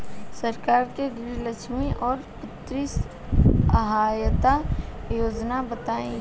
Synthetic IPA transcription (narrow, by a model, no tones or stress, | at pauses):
sɐɾkaːɾkeɡɾiləʃʰmiʔɔːɾpʊt̪ɾɪs | əɦaːjt̪ajoːd͡ʒnabɐt̪aːẽ